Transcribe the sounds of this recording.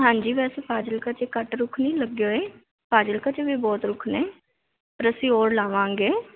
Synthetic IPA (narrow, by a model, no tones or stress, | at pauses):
ɦãːɲd͡ʒiːʋɛːseːpʰaːd͡ʒəlkət͡ʃeːkəʈɾʊkʰniːləɡoːeː | pʰaːd͡ʒəlkət͡ʃebiːbɔːt̪ɾʊkʰneː | pəɾəsĩːoːɾlaːʋãːŋɡeː